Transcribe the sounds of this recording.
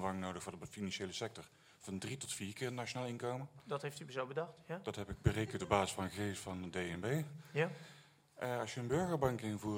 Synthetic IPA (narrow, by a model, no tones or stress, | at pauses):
ʋɑŋnowdəxfʊːɹdəəfinɑnʃejləsɛk̚tɔɹ | v̥ɑndritɔtfiːrkɪːrnat͡ʃonaːlˠɪnkowməndɑtɦejftybəzowbədɑxtd̥ɑtɦɛpɪɡ̚bərejkəntɔbaːzɪsfɑnəɣəɣejstfɑnədejɛnbej | ɑsjəənbɵɹɣəɹbɑŋkɪnvuː